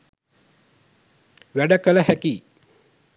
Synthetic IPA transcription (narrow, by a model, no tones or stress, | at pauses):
ʋæɖəkələhækiː